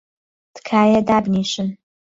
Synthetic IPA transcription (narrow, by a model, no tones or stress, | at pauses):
d̥kʰaːjadabniʃɨn